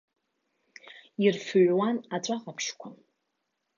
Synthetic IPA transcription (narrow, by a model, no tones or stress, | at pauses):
irfɥwanat͡ʃʷʼaqʼapʰʃkʷʰʊn